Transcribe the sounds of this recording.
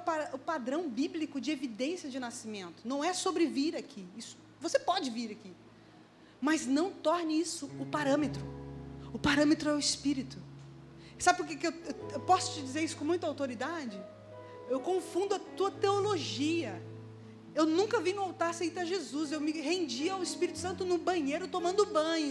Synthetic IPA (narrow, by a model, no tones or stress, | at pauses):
paɾʊpad̪ɾɐ̃w̃biblikʊd͡ʒɪevid̪ẽsiɐd͡ʒɪnasimẽnt̪ʊ̥nɐ̃w̃ɛsobɾɪviɾakʰiisʊ̥ | vosepɔd͡ʒɪviɾaki | mɐznɐ̃w̃t̪ɔɾnɪisʊʊpaɾɐ̃met̪ɾʊʊpaɾɐ̃met̪ɾʊɛʊɪspiɾit̪ʊ | sabɪpʊɾkekɪewewewpɔsʊ̥t͡ʃɪd͡ʒizeɾisʊkõmũj̃t̪awt̪oɾid̪ad͡ʒɪ | ewkõfũnd̪ʊɐt̪uɐt̪eoloʒiɐ | ewnũŋkɐvinʊawt̪aɾsejt̪ɐʒezuzewmɪɦẽnd͡ʒiawɪspiɾit̪ʊ̥sɐ̃nt̪ʊnʊbɐ̃ɲejɾʊt̪omɐ̃nd̪ʊbɐ̃j̃